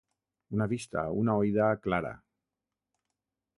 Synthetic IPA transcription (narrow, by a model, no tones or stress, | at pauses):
unaβist̪a̰unaojðaklaɾa̰